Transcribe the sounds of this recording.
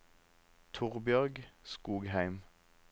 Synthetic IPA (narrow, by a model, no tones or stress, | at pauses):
t̪ʰʊʁbjœʁɡskuːɡhæɪm